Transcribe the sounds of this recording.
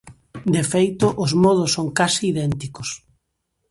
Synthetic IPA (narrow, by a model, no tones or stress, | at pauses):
d̪efejt̪ʊʔʊzmɔðʊsːoŋkasiːðɛnt̪ikʊs